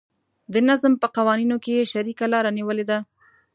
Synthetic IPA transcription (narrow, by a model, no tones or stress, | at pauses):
d̪ənazmpəqawɑninokejeʃaɾikalɑɾaniwəled̪a